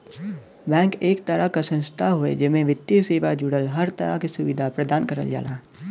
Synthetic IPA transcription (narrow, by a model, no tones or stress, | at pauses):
bɛ̃ːkeːkt̪əɾakasə̃nst̪ʰaɦuḛd͡ʒɪmẽʋɪt̪ːjiseːʋad͡ʒʊɽəlɦɐɾt̪ə̰ɾa̰kisʊʋɪd̪ʱapɾəd̪aːnkəɾə̰ld͡ʒa̰ːla̰ː